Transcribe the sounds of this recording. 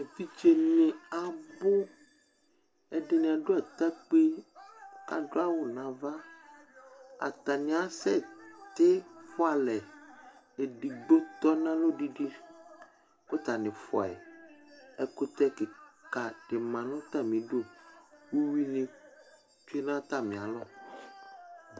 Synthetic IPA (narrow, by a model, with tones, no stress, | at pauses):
ẽ˨fi˦t͡ʃe˦m˦ĩ˦a˨bʊ˦ | ɛ˦dɪ˨nĩ˨a˨do˦a˨t̪a˦k͡pe˦ | ka̰˨dʊ˦a˦wʊ˨nã˨va˦ | a̰˨t̪a˨nĩ˨a˦sɛ˦˨t̪ɪ˦fʊ˦a˨lɛ˨ | e˨ɖi˨ɡ͡bo˦t̪ɔ˦nã˦lo˦ɖi˦ɖi˦ | ko˦t̪a˨nɪ̃˨fɔ̰˨ɛ̰˨ | ɛ˦ko˦t̪ɛ˦ke˨ka˨ɖ̥ɪ˨mã˨nʊ̃˦t̪a˦mĩ˨ɖo˦wu˦wi˦nĩ˨ | t͡ʃu˦i˦nã˦t̪a˦mĩ˨a˨lɔ˦